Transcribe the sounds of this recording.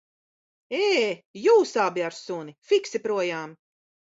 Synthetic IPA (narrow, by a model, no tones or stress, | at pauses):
eːjuːsabiaɾsunifiksipɾuɔjaːm